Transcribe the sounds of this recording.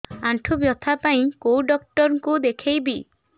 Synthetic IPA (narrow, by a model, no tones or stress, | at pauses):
aɳʈʰubjɔt̪ʰapaĩkowɖɔkʈɔɾŋkud̪ekʰejbi